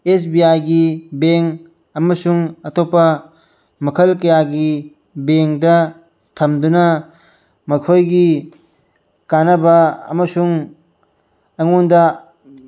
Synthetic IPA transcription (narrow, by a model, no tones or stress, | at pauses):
esbiajɡibeŋ | ɐmɐsuŋɐt̪opːɐ | mɐkʰɐlkɐjaɡi | beŋdɐ | t̪ʰɐmd̪unɐ | mɐkʰojɡi | kanɐbɐɐ̰mɐsuŋ | ɐŋondɐ